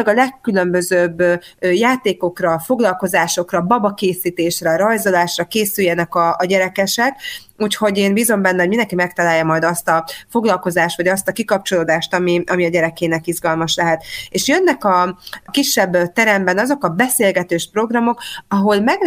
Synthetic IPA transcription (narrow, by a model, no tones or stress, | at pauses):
ɡɒlɛkːylø̞mbø̞zøːbːjaːt̪eːko̞krɒfo̞ɡlɒlko̞zaːʃo̞krɒbɒbɒkeːsiːt̪eːʃrɛɾɒjzo̞laːʃrɒkeːsyjːɛnɛkɒːɟɛɾɛkɛʃɛk | uːcho̞ɟeːnbiːzo̞mbɛnːɛɦomind̪ɛŋkimɛk̚t̪ɒlaːjːɒmɒjd̪ɒst̪ɒfo̞ɡlɒlko̞zaːʃt̪ʋɒɟɒst̪ɒkikɒp̚t͡ʃo̞loːd̪aːʃt̪ɒmiʔɒmiɒɟɛɾɛkeːnɛkizɡɒlmɒʃlɛɦɛt̪eːʃjønːɛkɒkiʃːɛbːt̪ɛɾɛmbɛnɒzo̞kɒbɛseːlɡɛt̪øːʃpro̞ɡrɒmo̞kɒɦo̞lmɛɡ